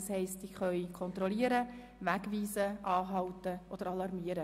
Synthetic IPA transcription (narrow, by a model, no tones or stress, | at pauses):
shɛɪstiχœʏkʰɔnt̪ɾɔliːəɾə | ʋæɡʋiːsəʔɑːɦɑwtəʔod̥əɾɑlɑɾmiːəɾə